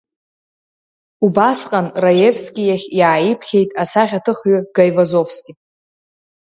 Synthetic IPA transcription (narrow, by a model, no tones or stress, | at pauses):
ubasqʼanrajevskʲʼijaχʲjaːipʰχʲe̞jtʼasaχʲatʰɨχɥʏɡajvazo̞fskʲʼi